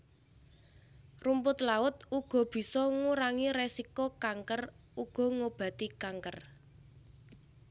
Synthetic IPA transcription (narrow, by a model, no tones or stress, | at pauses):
rumpʊt̪laʊt̪̚uɡ̥ɔ̤b̥i̤sɔŋuɾaŋiɾesikokaŋkəruɡ̥ɔ̤ŋob̥ä̤t̪ikaŋkər